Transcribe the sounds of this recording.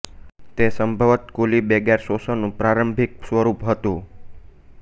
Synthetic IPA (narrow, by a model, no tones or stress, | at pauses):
t̪esəmbʱəʋət̪kolibeɡɛɾsosənũpɾaɾəmbʱik̚sʋəɾupɦət̪ũ